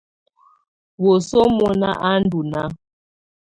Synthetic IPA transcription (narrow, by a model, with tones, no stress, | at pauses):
wo˨so˦mɔ˨na˦ʔa˦n̩˦du˨na˦